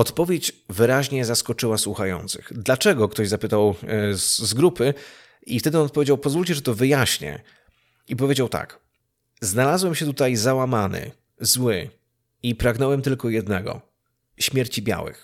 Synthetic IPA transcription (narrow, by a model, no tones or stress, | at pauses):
ɔt̪pɔvʲjet͡ɕvɘɾaʑɲɛzaskɔt͡ʂɘwaswuxajɔ̰nt̪sɘ̰xd̪lat͡ʂɛɡɔkt̪ɔʑzapɘt̪aw | zɡɾupɘ | ift̪ɛd̪ɘɔnɔt̪̚pɔvʲed͡ʑawpɔzvulʲt͡ɕɛʐɛt̪ɔvɘjaɕɲɛ̰ | ipɔvʲed͡ʑawt̪a̰k | znalazwɛmɕɛt̪̬ut̪ajzawamanɘ̰ | zwɘ | ipɾaɡnɛwɛmt̪ɘlkɔjɛd̪nɛɡɔ̰ | ɕmʲjɛɾt͡ɕibʲja̰wɘ̰x